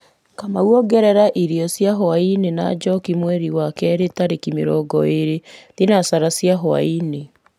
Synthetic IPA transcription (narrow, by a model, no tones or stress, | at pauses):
kamauɔɡɛɾɛɾaʔiɾiɔsjaɦɔainena̰d͡ʒɔkimwɛɾiwakɛːɾetaɾekimḛɾɔɡɔeɾetinasaɾasjaɦɔa̰ine